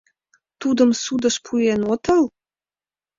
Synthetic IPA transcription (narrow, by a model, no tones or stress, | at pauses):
t̪ud̪ə̆msud̪ə̆ʃpʰujenot̪ɑl